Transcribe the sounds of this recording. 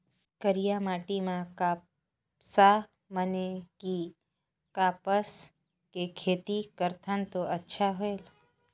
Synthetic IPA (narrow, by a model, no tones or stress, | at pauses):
kəɾijamaːʈimãkaː | sa | məneki | kaːpəs | kekʰeːt̪ikəɾt̪ʰənt̪oʔətːʃʰaɦoeːl